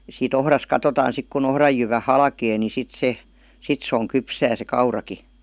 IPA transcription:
siːt ohrɑs kɑtotɑːn sik kun ohrɑj jyʋæ hɑlkeː ni sit se sit s oŋ kypsæː se kɑurɑki

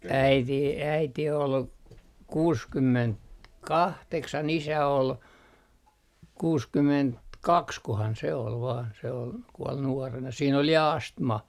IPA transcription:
æiti æiti ol kuːskymːent kɑhteksɑn isæ ol kuːskymːent kɑkskohɑn se ol ʋɑːn se ol kuɔl nuɑrenɑ siːn ol jɑ ɑstmɑ

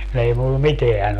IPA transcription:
kun ei mulːɑ miteæn

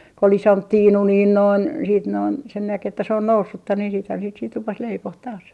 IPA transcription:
kŏ ol isomp tiːnu niːn noin siːt noin sen næk etːæ se on nousːutːɑ niːn siːthæn siːt sit rupes leipoh tɑːs

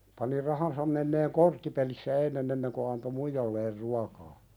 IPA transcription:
pɑni rɑhɑnsɑm menːeːŋ kortːipelisːæ enːen enːeŋ ko ɑnto muijɑlːeːr ruɑkɑː

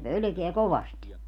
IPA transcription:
pølø̆keæ koʋɑst

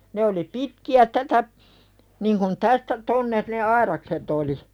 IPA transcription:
ne oli pitkiæ tætæ niŋ kun tæstæ tonːe ne ɑirɑkset oli

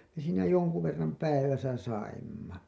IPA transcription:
me siːnæ jonku ʋerːɑm pæiʋæsæ sɑimːɑ

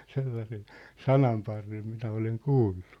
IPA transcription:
selːɑsen̞ sɑnɑmpɑrːem minæ oleŋ kuːlːu

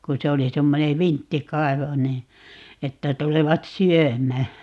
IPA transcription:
ku se oli semːone ʋintːikɑi̯ʋo niː etːæ tuleʋɑt syømˑæː

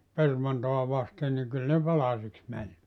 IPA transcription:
permɑntoɑ ʋɑsten niŋ kyl ne pɑlɑsiks mænʲ

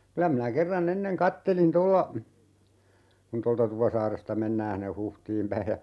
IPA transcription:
kylæ minæ kerːɑnː enːeŋ kɑtːelin tolːɑ kun toltɑ tupɑsɑːrestɑ menːæː hinːe huhtiːm pæi jɑ

